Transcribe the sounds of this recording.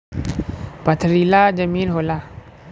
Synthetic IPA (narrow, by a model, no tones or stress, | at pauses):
pat̪ʰəɾilad͡ʒəminɦola